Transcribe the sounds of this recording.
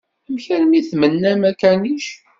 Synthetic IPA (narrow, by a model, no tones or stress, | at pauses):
əmçæɾmiθmənːæmækæniʃ